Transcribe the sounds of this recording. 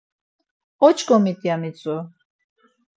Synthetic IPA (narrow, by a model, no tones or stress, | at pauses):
ɔt͡ʃʰkɔmit̪ʼjamit͡sʼɔ